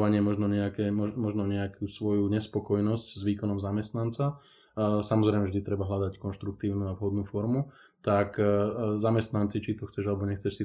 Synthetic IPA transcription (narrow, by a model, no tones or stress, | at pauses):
aɲɪɛmɔʒnɔɲɛakɛmɔmɔʒnɔɲɛakuːsʋɔjuɲɛspɔkɔjnɔsczʋiːkɔnɔmzamɛst̪nant͡sa | samɔzɾɛɪmɛvʒd̪it̪ɾɛbaɦlad̪ackɔnʃt̪ɾuk̚t̪iːʊnuavɦɔd̪nuːfɔɾmu | t̪akzamɛst̪nant͡sit͡ʃit̪ɔxt͡sɛʒalɛbɔɲɛxt͡sɛʃsi